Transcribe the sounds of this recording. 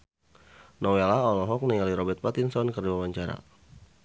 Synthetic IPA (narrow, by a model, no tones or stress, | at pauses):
nɔwelaɔlɔɦɔk̚niŋaliɾɔbɛrt̪̚pat̪insɔnkərdiwawaɲt͡ʃaɾa̰